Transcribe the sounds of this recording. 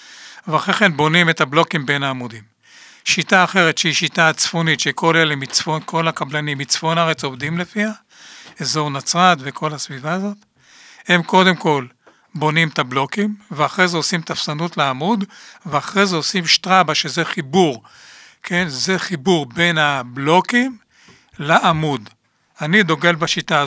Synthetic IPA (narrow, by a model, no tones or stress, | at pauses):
veaχʁeχenbo̞nimetablo̞kimbe̞naːmud̪im | ʃitaːχe̞ʁet̪ʃehiʃitat͡sfonitʃeko̞lelemit͡sfonkʰo̞lakablanimːit͡sfo̞naʁet͡sovd̪imlefia | ezo̞ʁnat͡sʁat̪ve̞kʰo̞lhasvivaːzo̞t̪ | he̞mko̞d̪e̞mko̞l | bo̞nimt̪ablo̞kimveaχʁezeosimt̪afsanutleamudveaχʁezeosimʃt̪ʁabaʃezeχibuʁ | kʰe̞nzeχibuʁbe̞nhablo̞kim | laʔamud̪ | anid̪o̞ɡe̞lbaʃita